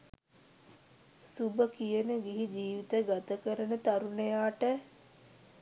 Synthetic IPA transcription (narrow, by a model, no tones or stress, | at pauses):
subəkijənəɡiɦid͡ʒiːʋit̪əɡat̪əkəɾənət̪aɾunejaːʈə